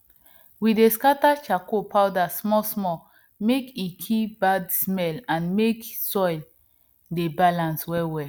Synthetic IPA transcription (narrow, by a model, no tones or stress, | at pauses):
wideskatat͡ʃakopawdasmɔsmɔ | mekikʰibadsmɛlãnmeksɔjl | debalãnswɛwɛ